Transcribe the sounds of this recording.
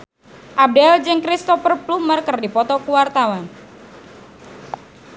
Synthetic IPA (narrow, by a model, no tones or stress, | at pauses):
ʔab̚dɛld͡ʒɨŋkɾist̪ɔfərplumərkərdipɔt̪ɔkuwart̪awan